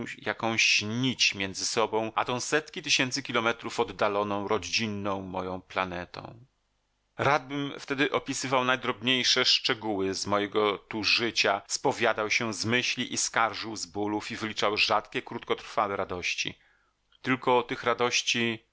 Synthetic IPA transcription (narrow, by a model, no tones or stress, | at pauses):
jakɔ̃w̃ɕɲit͡ɕmʲjɛnd̪zɘsɔbɔ̃w̃ʔa̰t̪ɔ̃w̃sɛt̪kʲit̪ɘɕɛnt̪sɘkʲilɔmɛt̪ɾufɔd̪ːalɔnɔ̃w̃ɾɔd͡ʑinːɔ̃w̃mɔjɔ̃w̃planɛt̪ɔ̰̃w̃ | ɾad̪̚bɘmft̪ɛd̪ɘʔɔpʲisɘvawnajd̪ɾɔbɲejʂɛʂt͡ʂɛɡuwɘzmɔjɛɡɔt̪uʐɘt͡ɕaspɔvʲjad̪awɕɛzmɘɕlʲiʔiskaɾʐɘwzbulufivɘlʲit͡ʂawʐat̪kʲɛkɾut̪kɔt̪ɾ̥fawɛɾad̪ɔɕt͡ɕḭ | t̪ɘlkɔt̪ɘxɾad̪ɔɕt͡ɕi